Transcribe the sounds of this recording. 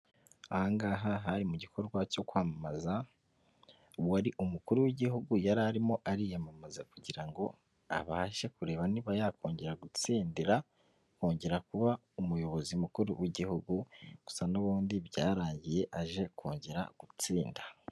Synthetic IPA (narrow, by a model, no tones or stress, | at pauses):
aaaŋɡaːɦaɦaɾimuɟikʰo̞ɾɡwaco̞kwaːmamaza | aɾiʔumukuɾuwiɟiɦuɡujaɾaɾimo̞ʔaɾijamamazakuɟiɾaŋɡo̞ | a̰βaʃe̞kuɾe̞ːβaniβajakʰo̞ːɲɟe̞ɾaɡut͡siːndiɾa | koːɲɟe̞ɾakuβa | umujo̞βo̞zimukuɾuwiɟihuɡuɡ̥u̥sanoβuːndiβɟaːɾaːɲɟije̞ʔaʒe̞kʰoːɲɟe̞ɾa̰ɡ̥ut͡siːnda